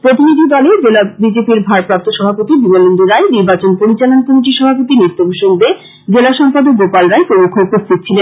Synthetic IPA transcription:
pɾot̪inid̪ʱid̪ɔled͡ʑelabid͡ʑepiɾbʱaɾpɾap̚t̪oʃɔbʱapot̪ibimolond̪uɾaeniɾbat͡ɕonpoɾit͡ɕalonkomiʈiʃɔbʱapot̪init̪ːobuʃoŋb̪e | d͡ʑelaʃɔmpad̪ok̚ɡopalɾaekoukʰoupost̪ʰit̪̚t͡ɕʰilenn

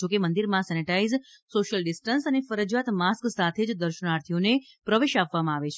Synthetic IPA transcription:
d͡ʒokemənd̪iɾmãsɛniʈaiz | soʃəlɖɪsʈənsənefəɾəd͡ʒat̪masksat̪ʰed͡ʒd̪əɾʃənaɾt̪ʰijone | pɾəʋeʃapʋamãaʋet͡ʃʰe

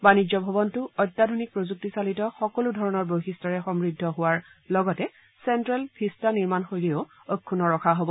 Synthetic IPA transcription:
banid͡ʒɔbʱɔbɔntʊɔjtːadʱonik̚pɹozuk̚tisalitɔxɔkɔludʱɔɹɔnɔɹboxistaɹɛxɔmɹidʱːɔɦʊwaɹlɔɡɔtɛ | sɛntɹɛlpʰistaniɹmanxojlio | okʰːunɔɹɔkʰaɦobɔ

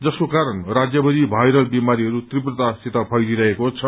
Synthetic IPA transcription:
d͡zʌskokaɾʌnrad͡zjʌbʌd̪ibʱajɾʌlbimaɾiɦʌɾut̪riprʌt̪asit̪apʰʌjliɾʌɦekot͡sʰʌ

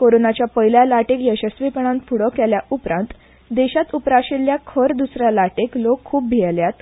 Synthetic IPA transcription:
koɾonat͡ɕjapəjljalaʈekjəɕəsʋipəɳ̃ãnfuɽəkɛljaʔupɾãnt̪ | d̪eɕat̪upɾaɕiljakʰəɾd̪usɾjalaʈeklokʰːuːp̚bʱiɛljat̪

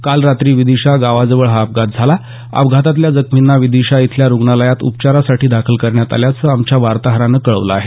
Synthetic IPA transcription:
kalɾat̪ɾiːʋid̪iɕaɡaʋad͡zəʋəɭɦaːp̚ɡʱat̪̚d͡zʱala | a̰pɡʱat̪at̪̬ljad͡zəkʰminːaʋid̪iɕait̪ʰljaɾuɡɳaləjat̪ṵpt͡ɕaɾasaʈiːd̪akʰəlkəɾɳjat̪a̰ljat͡səamt͡ɕjaʋaɾt̪aɦəɾanəkəɭə̰ʋla̰ːɦe

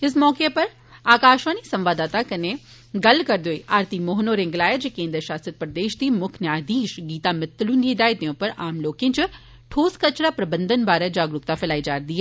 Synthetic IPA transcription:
ɪs̬mɔːkepɐɾ | aːkaːʃʋaːnisɐ̃mʋaːd̪aːt̪akɐne | ɡɐlkɐɾd̪oeʔaːɾt̪imoːɦnoːɾẽŋɡlaːjed͡ʒekẽːnd̪ɾʃaːsət̪̚pɾəd̪eːʃd̪iːmʊkʰnjaːd̪iːʃɡiːt̪amɪt̪ːlũnid̪aːjt̪iõːpɐɾaːmloːkẽnt͡ʃʊ | ʈʰoːskɐt͡ʃɾapɾɐbə̃nd̪ʱənbaːɾɛd͡ʒaːɡɾʊkt̪afʰɪlaːid͡ʒaːɾd̪iːɦɛ

